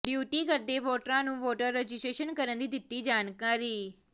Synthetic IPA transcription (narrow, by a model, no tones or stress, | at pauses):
ɖjuːʈikəɾd̪eʋoʈɾãnũʋoːʈəɾːɛd͡ʒisʈɾeʃənkəɾənd̪id̪ɪt̪ːid͡ʒaːnkaːɾiː